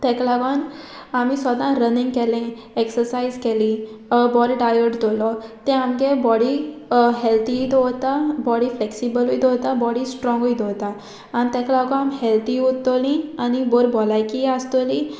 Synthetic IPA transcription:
t̪ɛ̃klaɡɔn | amisəd̪ãɾənĩŋɡkelẽ | eksəɾsaizkelĩ | bɔɾiɖajəʈt̪olɔt̪ɛ̃amkebɔɽiɦelt̪it̪ɔɦot̪abɔɽifleksibəluit̪ɔɦt̪abɔɽisʈɾɔ̃ŋɡoit̪ot̪a | anit̪ɛ̃klaɡɔ̃amhɛlt̪ʰiut̪ːolĩaniboɾbolajkiast̪olĩ

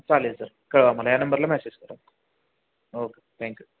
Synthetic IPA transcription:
t͡saːlesɐɾ | kɐɭʋaːmɐlajaːnɐmbɐɾlamɛːseːd͡ʑkɐɾa̰ːm | oːket̪ʰɛ̃ːŋkju

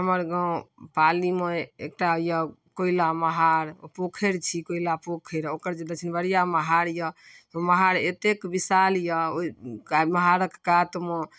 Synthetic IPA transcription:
ɦəməɾɡãpalimeek̚ʈajəkoilaməɦaɾpokʰeɾt͡ʃʰikoilapokʰeɾokəɾd͡ʒed̪ət͡ʃʰinbəɾijaməɦaɾjə | t̪ɔməɦaɾet̪ekbisaljəoikaməɦaɾəkkat̪mo

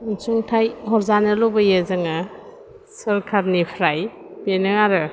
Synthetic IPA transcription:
ŋsʰuŋtʰajɦɔɾzanɯlɔwbɐjezɐŋɐ | sɐɾkʰaɾnipʰɾaj | benɯaɾɯ

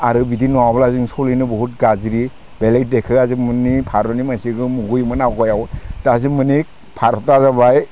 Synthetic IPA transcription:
aɾɯbidinɔwablazɯŋsɔlinɯbɔɦut̚ɡazɾi | belek̚dekʰɯazɯmɯnipʰaɾɔnimasiɡɯmuɡujmɯnaɡɔjawtazimɯni | pʰaɾɔtazabaj

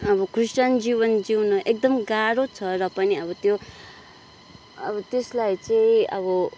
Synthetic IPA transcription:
ʌbʌkʰrist͡ʃʌnd͡zibʌnd͡ziwnʌʔek̚d̪ʌmɡaɾot͡sʰʌrʌpʌniʌbʌt̪jo | ʌbʌt̪eslajt͡saĩʌ̰bʌ

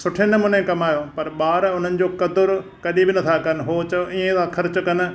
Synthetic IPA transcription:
sʊʈʰenɐmʊnẽkɐmaːjopɐɾɓaːɾʊn̤ənɪ̆d͡ʑoːkɐd̪ʊɾkɐɗibɪnɐt̪ʰakɐn̆ɦoːt͡ɕɐĩẽd̪axʰɐɾt͡ɕʊkɐn̆

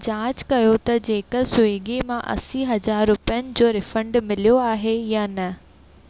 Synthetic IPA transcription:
d͡ʑaːd͡ʑkɐjot̪ɐd͡ʑeːkəsʊiːɠimãʔɐ̰siɦɐzaːɾːʊpijənɪ̆d͡ʑoːɾɪfə̃ɳɖmɪlijoaːɦejaːnɐ

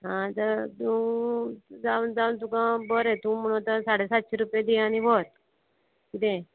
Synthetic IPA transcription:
ɦãt̪əɾt̪ũ | d͡zand͡zaunt̪ũkãbəɾẽt̪ũm̤əɽ̃ũt̪əsaɽesat̪ɕeɾupjad̪iañiʋot̪ | kit̪ẽ

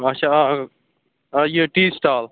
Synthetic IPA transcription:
ɐt͡ʃʰa | jeʈiːsʈaːl

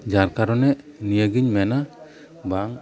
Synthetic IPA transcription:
d͡ʒaɾkaɾɔnɛ | nijəɡiɲmɛna | baŋ

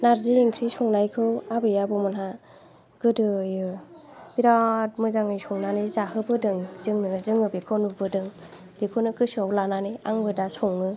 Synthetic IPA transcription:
naɾziːŋkʰɾisɔŋnajkʰɯwabɯjabɔmɔnɦa | ɡ̥ɯdɯjɯ | b̥iɾat̚mɯzaŋɯjsɔŋnanɯzahɯbɯdɯŋzɯŋnɯzɯŋɯbekʰonubɯdɯŋ | b̥ekʰonɯkɯsawlananɯa̰ŋbɯdasɔŋːɯ

